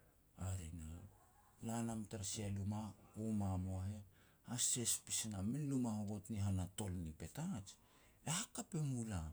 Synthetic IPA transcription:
aɾena̰ | lanamtaɾsialumaumamoaɦe̞ | hase̞spisinamenlumahoβotniɦanato̞lnipe̞tat͡ʃ | ehakapemula

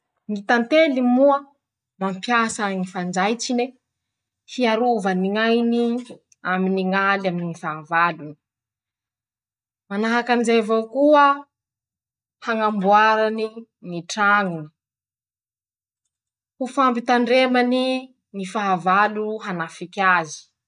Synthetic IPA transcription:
ŋit̪ant̪elimuə | mampjasaŋifand͡zajt͡sine | hiaɾuvaniŋajni | aminiŋalaminiifaavaluni̥ | manaɦakanizevokuə | haŋambuaɾani | niʈ͡ʂaŋuni̥ | hufampit̪aɳɖ͡ʐemani | nifaɦavaluɦanafikʲazi̥

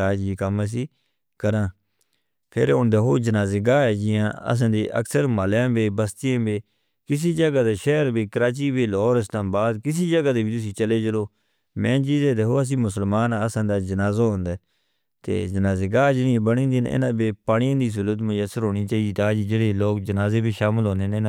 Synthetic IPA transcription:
aːd͡ʒiːkəməs̬iː | kəɾãː | pʰɪɾɦõːnd̪aːɦoːd͡ʒənaːzeːɡaːɛːd͡ʒɪjãːə̰s̬ãːd̪eːʔə̰ksəɾmaljãːbeːbəst̪ɪjãːbeː | kɪs̬iːd͡ʒəɡaːd̪eːʃɛːəɾbiːkəɾaːt͡ʃiːbeːlɔːɾɪslaːmbaːd̪kɪs̬iːd͡ʒəɡaːd̪eːbiːt̪ʊsĩːt͡ʃəleːd͡ʒəloː | mɛ̃ːt͡ʃiːzẽːd̪eːɦoːəs̬ĩːmʊsəlmaːnaːəsãːd̪aːd͡ʒənaːzaːɦʊ̃nd̪aː | t̪ḛːd͡ʒənaːzeːɡaːd͡ʒɪnĩːẽːbəɽĩːnd̪inɪ̰nãːbeːpaːɳɪjãːd̪iːs̬ʊlət̪mʊjəsəɾɦoːɽ̃iːt͡ʃaːiiːt̪aːd͡ʒiːd͡ʒeːɽeːloːkd͡ʒənaːzeːbiːʃaːməlɦõːneːnenː

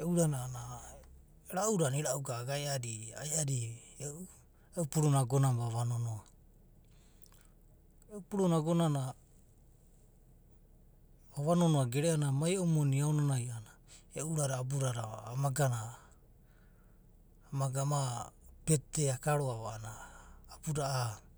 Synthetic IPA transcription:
euɾanaːna | ɾauɾaniɾauɡaɡajaɾiajaɾi | eʔu | eupuɾunaɡonambaβanonoa | eupuɾunaɡo̞nana | baβano̞noaɡeɾeanamajomoniaonanajana | eʔuɾaɾaːbuɾaɾaa̰ːmaɡana | maɡamapetːeakaɾoaβaːnaːbuɾaʔː

